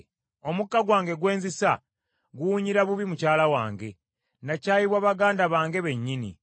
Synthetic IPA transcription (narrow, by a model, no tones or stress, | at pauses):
o̞mukːaɡwaːŋɡe̞ɡwe̞ːnzisa | ɡuːɲiɾaβuβimucaːlawa̰ːŋɡe̞ | nacaːjiβwaːβaɡaːndaβaːŋɡe̞βe̞ɲːinḭ